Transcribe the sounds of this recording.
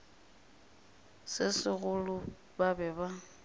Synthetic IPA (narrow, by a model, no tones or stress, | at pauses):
sɪsɪɣʊlʊ | babɛba